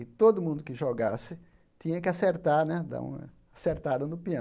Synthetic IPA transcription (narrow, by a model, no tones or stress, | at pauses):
ɪt̪od̪ʊmũnd̪ʊkɪʒoɡasɪ | t̪ĩɲɐkɪaseɾt̪aɾnɛd̪ã̰ɐ̰ | aseɾt̪ad̪ɐnʊpiɐ̃